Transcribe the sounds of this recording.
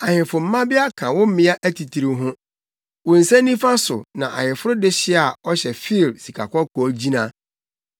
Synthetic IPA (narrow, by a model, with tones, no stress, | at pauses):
a˨hɪ̃˨fʊ˨m̩˦mã˦bɪ˦a˦kʰã˨wʊ̃˦m̩˦mɪ̃˦a˦ʔæ˦tʰi˨tʰi˨ɾi˨ɦʊ̃˦ | wʊ̃˨n̩˨sɛ̃˦nĩ˦fa˦sʊ̰˨nã˨ʔa̰˨hɪ̃˨fʊ˦ɾʊ˦dɪ˦ɕɪ˦a˨ɔ˦ɕɛ˨fi˦˨lsi˨kʰa̰˨kɔ˦kʰɔ˨˦d͡ʑi˦nã˦˨